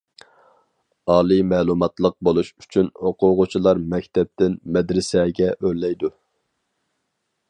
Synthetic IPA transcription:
ɑːlˠɨmɛːlˠumɑt̪lˠəq̚bolˠuʃy̥t͡ʃʰynoqʊʁʊt͡ʃʰilˠɑɾmɛkʲt̪ʰɛp̚t̪ɪnmɛd̪ɾɪsɛɡʲɛʔøɾlɛjd̪u

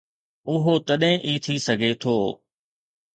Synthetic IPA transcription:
ʊɦot̪ɐɗɦɪ̃ʔiːt̪ʰisɐɡʱet̪ʰoː

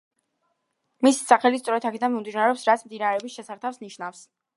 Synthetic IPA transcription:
misi̥saχɛlist̪sʼɔɾɛt̪ʰakʰɛd̪anmimd̪inaɾɛɔpsɾat̪sʰmd̪inaɾɛɔbisʃɛsaɾt̪ʰafsniʃnafs

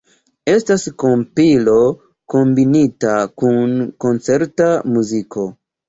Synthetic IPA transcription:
e̞stasko̞mpilo̞ | ko̞mbinitakunko̞nt͡se̞ɾtamuzikʰo̞

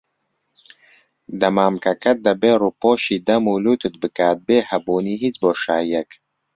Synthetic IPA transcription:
d̪ɐmaːmkɐkɐt̪̚d̪ɐbeːɾupoːʃiːd̪ɐmuːluːt̪ɨt̪̚bɨkaːt̪̚beːhɐboːniːɦit͡sboːʃaːjɛk

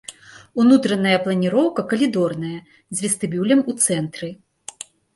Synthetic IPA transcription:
unut̪ɾɐnɐjɐplˠɐnʲiɾɔwkɐkɐlʲid̪ɔrnɐjɐ | zʲvʲist̪ɨbʲulʲɐmut̪sɛnt̪ɾɨ

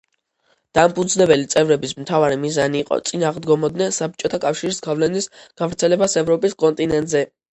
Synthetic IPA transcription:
d̪̥ampʰud̪znɛbɛlit̪sʼɛvɾɛbismt̪ʰavaɾimizaniːqʼɔ̰t̪sʼinaːʁd̪ɡɔmɔd̪nɛnsap̚t͡ʃʼɔt̪ʰakʼafʃiɾisɡavlɛnisɡ̥avɾt̪sʰɛlɛbasɛvɾɔpʼiskʼɔnt̪ʼinɛnt̪ʼzɛ

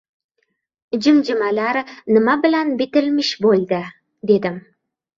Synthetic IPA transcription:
d͡ʒɪmd͡ʒɪmalaɾnɪmabɪlanbɪt̪ɪlmɪʃbolˠd̪ɪ | d̪e̞d̪ɪm

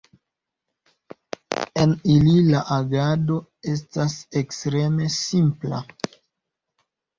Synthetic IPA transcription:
e̞nililaʔaɡado̞e̞s̬tasekstɾe̞me̞simpla̰

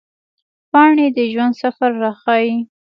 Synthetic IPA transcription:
pɑɳed̪əʒwand̪safaɾːaxɑji

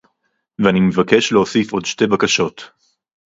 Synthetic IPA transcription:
veanimevakeʃleosifo̞dʃte̞bakaʃo̞t

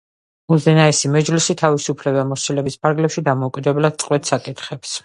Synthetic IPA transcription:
uzɛnaɛsimɛd͡ʒlisit̪ʰavisupʰlɛbamɔsilɛbispʰaɾɡlɛpʃid̪amɔukʼid̪ɛblad̪̥̚t̪sʼqʼwɛt̪sakʼit̪ʰχɛps

